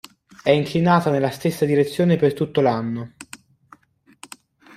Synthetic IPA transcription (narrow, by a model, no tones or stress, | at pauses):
ɛiŋklinaːt̪anelːast̪esːad̪iɾet̪sːjoːnepert̪ːut̪ːolanːo